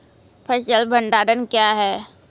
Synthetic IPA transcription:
pʰɐt͡ʃəlbʱə̃ɳɖaːɖənkjaːɦɛː

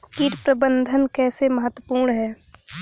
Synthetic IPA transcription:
kiːʈpɾəbə̃nd̪ʱənkɛːseməɦət̪ːwəpuːɾɳɦɛː

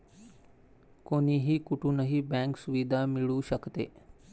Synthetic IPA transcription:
koːniːɦiːkʊʈũːnəɦibɛ̃ːŋksʊʋid̪ʱamɪɭuːʃəkt̪ḛː

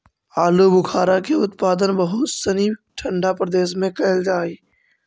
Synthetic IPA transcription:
aːlubʊkʰaːɾakeʊt̪paːd̪ənbɐɦʊt̪sɐniʈʰɐ̃ɳɖapɾɐd̪eːʃmẽkɐɦɪld͡ʒaːiː

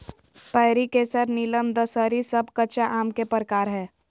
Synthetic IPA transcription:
pəɪɾikesəɾniləmd̪əsəɾisəbʱkət͡ʃaʔaːmkepəɾəkaːɾɦɛː

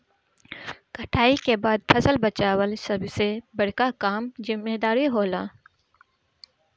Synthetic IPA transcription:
kɐʈʰaːikebaːd̪̚fʰɐsəlbɐt͡ʃaːwəlsɐbsebɐɽ̤kakaːmzɪmːeːd̪aːɾiɦoːlaː

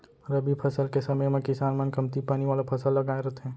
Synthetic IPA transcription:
ɾɐbipʰɐsəlkesɐməjmẽkɪsaːnmɐnkɐmt̪ipaːniʋaːlapʰɐsəlːɐɡaːẽɾɐt̪ʰɦɛ̃ː

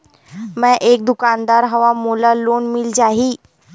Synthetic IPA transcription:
mɛ̃ʔek̚d̪ukand̪aɾɦəʋamulalonmild͡ʑaɦiː

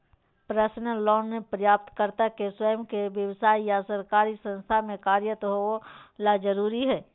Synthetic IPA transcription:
pɾəsnəlɔːnːẽpɾəjaːp̚t̪kəɾt̪akeswəjəmkeʋjəʋsaːijasɐɾkaːɾisə̃nst̪ʰamẽkaːɾjət̪ɦoolad͡ʒəɾuːɾiɦɛː

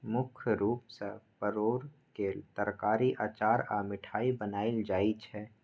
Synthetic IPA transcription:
mʊkʰɾuːpsəpəɾoːɾket̪əɾkaːɾiʔaːt͡ʃaːɾaːmɪʈʰaːibənaːɪld͡ʒaːit͡ʃʰɛː

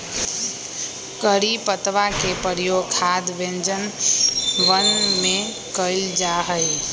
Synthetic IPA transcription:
kəɾipət̪ʋakepəɾjoɡkʰad̪bẽnd͡ʒən | ʋənme | kəɪld͡ʒaɦəj

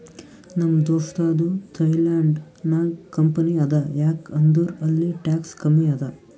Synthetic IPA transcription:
nɐmːɐd̪oːʂt̪aːd̪ut̪ʰɐjlaːɳɖ | nɐkɐmpɐniɐd̪ɐjaːkɐnd̪uɾɐlːiʈaːkskɐmiɐd̪ɐ

